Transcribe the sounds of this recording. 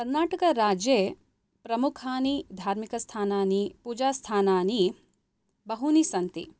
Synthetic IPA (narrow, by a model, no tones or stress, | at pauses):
kɐɾnaːʈɐkɐɾaːd͡ʒje | pɾɐmukʰaːnid̪ʱaːɾmikɐst̪ʰaːnaːnipuːd͡ʒaːst̪ʰaːnaːni | bɐɦunisɐnt̪ḭ